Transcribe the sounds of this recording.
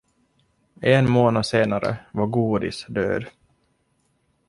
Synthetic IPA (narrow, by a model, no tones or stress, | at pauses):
ɛnmoːnaseːnaɾə̰vaɡuːd̪ɪ̰sd̪ø̰ːd̪